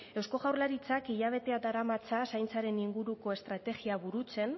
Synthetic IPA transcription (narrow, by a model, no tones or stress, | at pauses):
e̞wsko̞ɣawɾrlaɾit͡sakiʎaβ̞e̞t̪e̞ad̪aɾamat͡sasajnt͡saɾe̞niŋɡuɾuko̞e̞st̪ɾat̪e̞ɣiaβuɾut͡se̞n